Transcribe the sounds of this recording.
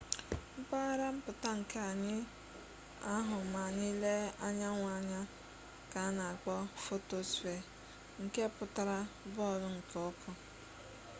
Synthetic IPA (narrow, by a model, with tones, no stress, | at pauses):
m̩˦k͡pa˦ɾa˦m̩˦pʊ˨ta˦ŋ̩˨ke˦a˨ɲɪ˦ | a˦ɦʊ˨ma˨ɲɪ˦le˦a˦ɲa˦ŋʷa˨ɲa˦ | ka˨˦na˨a˨k͡pɔ˦fo˦to˨sfe˨ | ŋ̩˨ke˦˨pʊ˨ta˦ɾa˦bɔ˦˨ɾʊ˦ŋ̩˨kɔ˦kʰɔ˦